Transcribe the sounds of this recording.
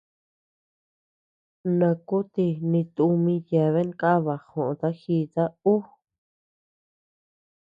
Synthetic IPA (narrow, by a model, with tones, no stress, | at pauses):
nã˧ku˦t̪i˧nĩ˧t̪u˧mĩ˧ja˨βe˦ŋka˦βa˨xõ˨ʔõ˧t̪a˦xi˧t̪a˦u˦